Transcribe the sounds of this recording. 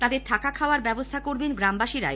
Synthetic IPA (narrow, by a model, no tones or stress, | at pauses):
t̪ad̪eɾt̪ʰakakʰaoaɾbɛbost̪ʰakoɾbenɡɾambaʃiɾa̰e